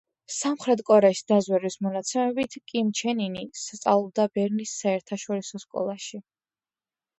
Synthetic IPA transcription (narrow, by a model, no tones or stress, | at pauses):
samχɾɛt̪ʼkʼɔɾɛisd̪azwɛɾwismɔnat̪sʰɛmɛbit̪ʰkʼimt͡ʃʰɛninist̪sʼa̰lˠɔb̚d̪abɛɾnisːaɛɾt̪ʰaʃɔɾisɔskʼɔ̰lˠaʃi